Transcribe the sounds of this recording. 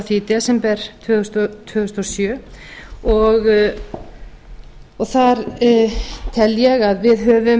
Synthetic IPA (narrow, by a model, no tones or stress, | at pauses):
fiːt̪ɪasɛmpɛɾ̥t̪ʰvʏʏst̪ɔt̪ʰʏɣʏst̪ɔsjœː | ɔɣ | ɔɣθaɾ | t̪ʰɛljɛɣaðvɪðɦœːvʏ